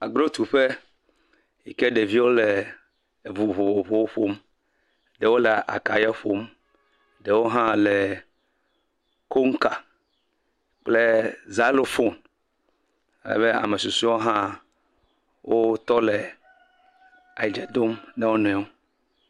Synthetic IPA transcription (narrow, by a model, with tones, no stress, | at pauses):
a˨ɡɾo˦t̪u˨ɸe˦ | jḭ˨ke˦ɖe˨vi˦wo˦le˨ | vu˨βo˨o˨vo˨wo˦ɸo˦m | ɖe˨wo˦le˨ʔa̰˨ka˨ja˦ɸo˦m | ɖe˨wo˦ɦã˦le˨ | ko˦ŋ˦ka˨ | k͡ple˦za˦lo˨fo˦˨n | e˨lɛ̰˨βe˦a̰˨mẽ˨su˨su˦o˦ɦã˦ | wʔo˦t̪ɔ˦le˨ | a˨i˨d͡ʒe˨d̪o˦mne˦wo˦nɔ̃˨ɛ˨˦o˦